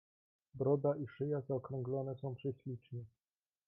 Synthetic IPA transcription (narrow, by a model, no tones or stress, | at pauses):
bɾɔd̪aʔiʂɘjazaɔkɾɔ̃ŋɡlɔnɛsɔ̃w̃pʂɛɕlʲit͡ʂɲɛ